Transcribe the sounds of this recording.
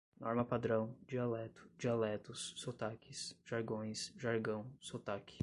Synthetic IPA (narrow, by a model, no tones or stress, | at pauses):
nɔɾmɐpad̪ɾɐ̃w̃d͡ʒialɛt̪ʊ̥d͡ʒialɛt̪ʊsːot̪akɪsʒ̥aɾɡõj̃sʒaɾɡɐ̃w̃sot̪akɪ̥